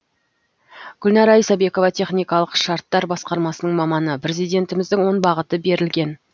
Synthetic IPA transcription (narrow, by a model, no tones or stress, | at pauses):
ɡ̥ʊlnɑɾɑijsɑbe̞ko̞vɑt̪ʰe̞χnijkɑlˠəqʃɑɾt̪ːɑɾbɑsqɑɾmɑsənəɴmɑmɑnəpʰɾʲe̞zijd̪e̞nt̪ɪmɪzd̪ɪŋwo̞nbɑʁət̪əbe̞ɾɪlɡʲe̞n